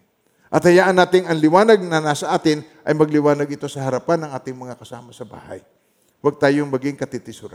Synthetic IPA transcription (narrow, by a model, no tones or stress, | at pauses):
ʔɐt̪hɐjaːʔɐnːaːt̪ɪŋɐŋlɪwaːnɐɡ̚nɐnasɐʔaːt̪ɪn | ʔɐjmɐɡ̚lɪwaːnɐɡɪt̪o̞sɐhɐɾɐpanːɐŋʔaːt̪ɪŋmɐŋakɐsa̰ːmɐsɐba̰ːha̰j | waɡ̚t̪aːjoŋmɐɡɪŋkɐt̪ɪt̪ɪsʊɾa̰